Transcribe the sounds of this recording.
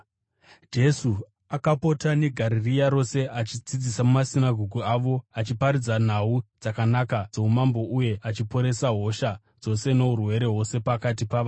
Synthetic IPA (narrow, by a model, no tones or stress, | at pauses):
d͡ʒe̞su | akapo̞tane̞ɡʱaɾirijaɾo̞se̞ʔat͡ʃid͡zid͡zisamumasinaɡʱoɡʱuaʋo̞at͡ʃipaɾid͡zan̤aud͡zakanakad͡zo̞umambo̞ʔuje̞ʔat͡ʃipo̞ɾe̞saɦo̞ʃa | d͡zo̞se̞no̞ɦurwe̞ɾe̞ɦo̞se̞pakatipaʋa